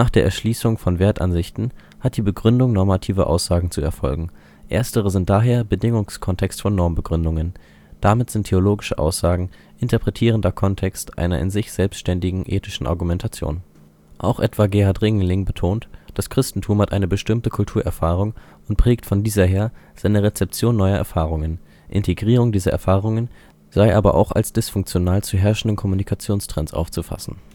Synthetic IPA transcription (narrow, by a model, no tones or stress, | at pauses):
naːχd̥eːɐʔɛ̰ɐʃliːsʊŋfɔnveːɐtʔa̰nzɪçtn̩ | hat̚d̥iːbəɡʁʏndʊŋnɔɐmatʰiːvɐ̰ʔa̰ʊsz̥aːɡŋ̩t͡suɛɐfɔ̰lɡŋ̩ | ʔḛːɐstəʁəzɪntd̥aːɦeːɐbədɪŋʊŋskʰɔntʰɛkstfɔnːɔɐmbəɡʁʏndʊŋən | d̥amɪtz̥ɪntʰːeoloːɡɪʃəʔa̰ʊsz̥aːɡŋ̩ | ʔɪntɐpʁ̥ɛtʰiːʁ̞əndɐkʰɔntʰɛkstʔa̰ɪnɐ̰ʔɪ̰nzɪçz̥ɛlpstʃtɛndɪɡŋ̩ʔeːtɪʃn̩ʔa̰ɐɡumɛntʰat͡sjo̰ːn | ʔa̰ʊxʔɛ̰tv̥aɡeːaɐtʁɪŋlɪŋbətʰoːntd̥askʁ̥ɪstn̩tʰuːmhatʔaɪnəbəʃtɪmtəkʰʊltʰuːɐʔɛɐfaːʁ̞ʊŋ | ʊntpʁ̥ɛːktfɔndiːzɐɦeːɐz̥aɪnəʁet͡sɛp̚t͡sjoːnːɔʏɐʔɛ̰ɐfaːʁ̞ʊŋən | ʔɪ̰ntʰeɡʁiːʁʊŋdiːzɐʔɛɐfaːʁ̞ʊŋən | z̥aɪʔaːbɐ̰ʔa̰ʊxa̰lsd̥ɪsfʊŋkt͡sjonaːlt͡suɦɛɐʃn̩dənkʰɔmunikʰat͡sjoːnstʁ̥ɛnsʔa̰ʊft͡sufa̰sn̩